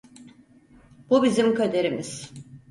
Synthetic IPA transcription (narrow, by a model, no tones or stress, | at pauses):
bubizimkad̪e̞ɾimiz̥